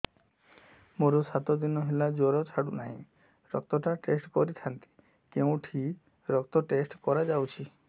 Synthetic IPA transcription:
moɾɔsat̪ɔd̪inɔɦelad͡ʒoɾɔt͡ʃʰaɽunaɦĩ | ɾɔkt̪ɔʈaʈesʈkɔɾit̪ʰant̪i̥ | keũʈʰi | ɾɔk̚t̪ɔʈesʈkɔɾad͡ʒawt͡ʃʰi

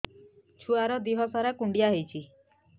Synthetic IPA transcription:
t͡ʃʰuaɾɔd̪iɦɔsaɾakuɳɖijaɦejt͡ʃʰi

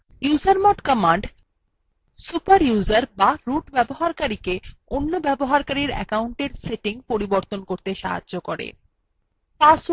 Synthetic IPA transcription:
juzaɾmɔʈkɔmaɳɖ | supaɾjuzaɾbaɾuʈbɛboɦaɾkaɾikeonːobɛboɦaɾkaɾiɾɛ̰kauɳʈeɾseʈiŋpoɾiboɾt̪onkoɾt̪eʃa̰ɦa̰dʑokoɾḛ | pas

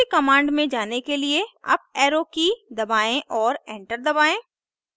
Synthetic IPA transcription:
kɐmãːɳɖmẽd͡ʒaːnekelieɐ̰p̚ɛːɾokid̪ɐbaːẽʔɔːɾɛ̃ːɳʈəɾd̪ɐbaːẽː

